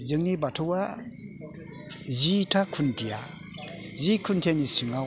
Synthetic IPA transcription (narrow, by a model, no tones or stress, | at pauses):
zɯŋnibatʰɔwa | zitʰakʰuntʰija | zikʰuntʰanisiŋa